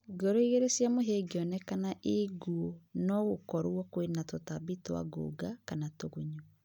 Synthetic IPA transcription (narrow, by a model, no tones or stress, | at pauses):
ɡoɾoiɣeɾesjamoɦeɡeɔnɛkanaʔeɡuonɔɣokɔɾuɔkwenatotabitwa̰ɡo̰ɡakanatoɣoɲo